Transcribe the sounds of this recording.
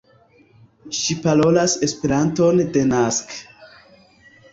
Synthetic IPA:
ʃipalo̞lase̞spe̞ɾanto̞nde̞nask

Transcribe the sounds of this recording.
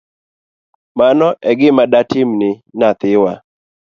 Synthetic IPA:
manɔʔɛɡɪmadatɪmnɪnat̪ɪwa

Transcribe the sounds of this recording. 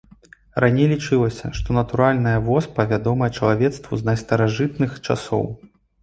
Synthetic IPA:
ɾanʲejlʲit͡ʂɨlˠɐsʲɐ̰ʂt̪ɔnɐt̪uɾalʲnɐjɐvɔspɐvʲad̪ɔmɐjɛt͡ʂɐlˠavʲɛt̪st̪vuznɐjst̪ɐɾaʐɨt̪nɨxt͡ʂa̰sɔ̰w

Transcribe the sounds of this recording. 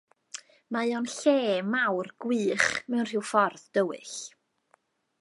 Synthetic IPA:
majɔnɬeːmawrɡ̥wɨːχmɛwnr̥ɪwfɔrðd̥əwɨ̰ɬ

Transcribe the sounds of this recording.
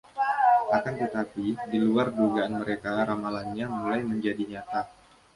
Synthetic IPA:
ʔakant̪ət̪apidiluardoɡaːnməɾekaɾamalanɲamulajməɲd͡ʒadiɲat̪a

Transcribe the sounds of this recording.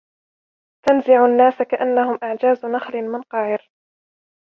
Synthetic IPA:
t̪anzɪʕʊnːaːsakaʔanːahʊmʔaʕd͡ʒaːznaxlɪmɪnqɑʕɪɾ

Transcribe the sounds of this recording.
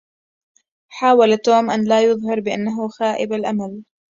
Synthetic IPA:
ħaːwalt̪oːmʔanlaːjʊðˤhɑɾˤbɪʔanːaɦʊxaːʔɪ̰balʔamal

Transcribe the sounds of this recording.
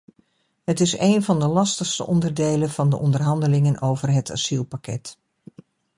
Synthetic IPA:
ɦətɪseːjnvɑndəlɑstəxstə̰ʔɔndərdejləv̥ɑndəʔɔndərɦɑndəlɪŋənowvərɦətʰa̰silˠpakʰɛ̰t

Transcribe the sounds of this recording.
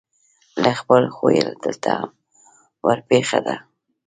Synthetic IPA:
laxpəlxojəlad̪əlt̪ʰaham | wəɾpexad̪a

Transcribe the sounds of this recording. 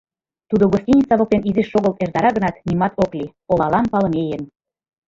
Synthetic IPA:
t̪ud̪oɣosʲtʲinʲisɑβokt̪eniziʃːoɣəlt̪ert̪ɑɾɑɣə̆nɑt̪nimɑt̪ʰoklʲi | olɑlɑmpɑlə̆mejən

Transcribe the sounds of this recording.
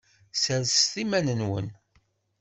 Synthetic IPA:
səɾst̪imænənwə̰n

